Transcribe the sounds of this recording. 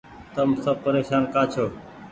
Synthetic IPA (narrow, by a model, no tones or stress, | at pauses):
t̪əmsəb̚pəɾeːʃaːnkaːt͡ʃʰoː